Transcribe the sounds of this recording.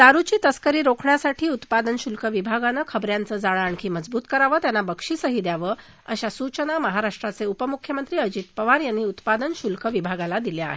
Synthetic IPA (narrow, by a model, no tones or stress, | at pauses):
d̪aɾut͡ɕiːt̪əskəɾiːɾokʰɳjasaʈʰiːut̪pad̪ənɕulkəʋibʱaɡanəkʰəbɾjant͡səːd͡zaɭəaɳkʰiːməd͡zbuːt̪kəɾaʋəːt̪janːabəkʂiːsəɦiːd̪jaʋə | əɕasut͡ɕənaməɦaɾaʂʈɾat͡seupəmukʰjəmənt̪ɾiːəd͡ʑit̪pəʋaɾjanːiːut̪pad̪ənɕulkʰəʋibʱaɡalad̪iljaa̰ɦe